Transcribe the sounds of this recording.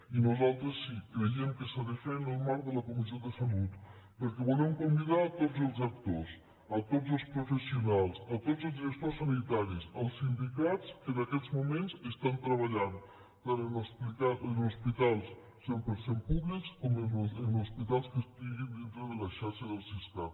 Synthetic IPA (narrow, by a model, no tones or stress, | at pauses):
inuzalˠt̪ɾəsːikɾeiəmkəsəðefɛnəlˠmaɾkðələkumizioðəsalut̪ | pəɾkeβulɛmkumbiðaːt̪od͡zəlˠzɐk̚t̪os | ət̪ozəlˠspɾufəsiunalˠsət̪ozəlˠzðiɾəst̪ossanit̪aɾisəlˠsind̪ikat͡skəðəkɛzmumẽnzəst̪ant̪ɾəβɐʎan | t̪anənuspit̪aənuspit̪alˠs | sompəɾsempuβlikskomənənuspit̪alˠskəst̪iɣind̪int̪ɾəðələʃaɾʃəðəlˠsist̪a